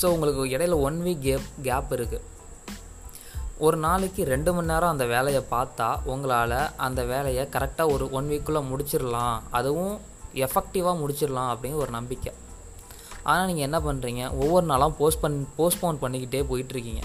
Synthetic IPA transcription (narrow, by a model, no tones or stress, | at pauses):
soːʊŋɡɐɭɯkːɯɪɽɐjɪlɐɔɳʋiːkɡeːɡaːpɪɾɯkːɯ | ɔɾɯnaːɭɯkːɯɾɛɳɖɯmɐnːaːɾãɐnd̪ɐʋeːlɐjɐpaːɾt̪ːaːɔŋɡɐɭaːlɐʔɐ̰nd̪ɐʋeːlɐjɐkɐɾɛk̚ʈaːɔɾɯɔɳʋiːkːɯɭɐmʊɽɪt͡ʃːɪɾɐlãːɐðɯʋʊ̃ | ɛfɛk̚ʈɪʋaːmʊɽɪt͡ʃːɪɾɐlãːɐpːɐɽɪnɐɔɾɯnɐmbɪkːɐ | ʔa̰ːnaːniːŋɡɐɛnːɐpɐnːɾiːŋɡɐɔʋːɔɾɯnaːlãpoːspɐnpoːsʈpoːnpɐɳːɪkːɪʈːeːpoːjɪʈːɪɾɯkːiːŋɡɐ̰